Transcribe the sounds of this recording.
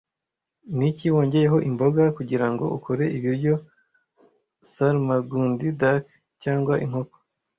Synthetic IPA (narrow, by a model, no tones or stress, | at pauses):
niciwo̞ːɲɟe̞je̞ɦo̞ʔimbo̞ɡakuɟiɾaŋɡo̞̰ʔukʰoɾe̞ʔiβiɾɟo̞ | saɾmaɡuːndidak | caːŋɡwaʔiŋhoko̥